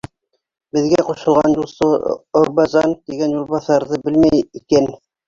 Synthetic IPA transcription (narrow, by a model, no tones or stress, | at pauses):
bɘ̆ðɡæquʃɤ̆lˠʁɑnjulˠsɤoɾbɑzɑnt̪iɡænjulˠβɑθɑɾðɤbɘlmæjikæn